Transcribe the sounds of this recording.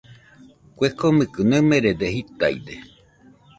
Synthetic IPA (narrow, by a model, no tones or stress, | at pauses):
kʷekomɨkɨnɨmẽɾed̪ehit̪a̰j̰d̪e